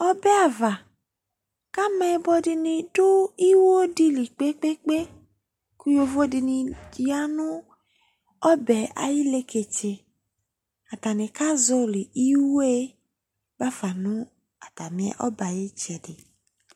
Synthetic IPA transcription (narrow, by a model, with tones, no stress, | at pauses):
ɔ˦bɛ˦a˨va˨ | ka˦mɛ˨˦bɔ˧di˧nĩ˧dʊ˦i˦wo˦o˦di˦li˨k͡pe˦k͡pe˦k͡pe˦ | ku˦jo˦vo˦di˧nĩ˧d͡ʒi˦a˦nʊ̃˦ | ɔ˦bɛ˨a̰˨ji˦le˦ke˨t͡ʃe˨ | a˨ta˨nĩ˨ka˦zɔ˦li˨ʔi˦wo˦e˦ | ba˦fa˨nʊ̃˦ | a˨ta˨mĩ˨ɛ̰˨ʔɔ˦ba˨je˦t͡ʃɛ˨dɪ˨